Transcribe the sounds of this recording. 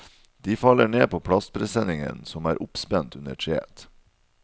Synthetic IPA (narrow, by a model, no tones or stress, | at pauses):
d̪̥iːfɑlːəɳeːpʰoːpʰɽɑst̪̚pʰɾɛsɛnɪŋə̰nsɔmæːɾʔʊpspɛnt̪ʉnəʈʰɾḛːt̪